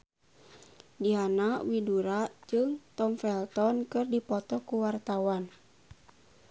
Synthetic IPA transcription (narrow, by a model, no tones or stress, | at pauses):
diɦanaʔwiduɾaʔd͡ʒɨŋt̪ɔmfɛlt̪ɔnkɨrdipɔt̪ɔkuwart̪awan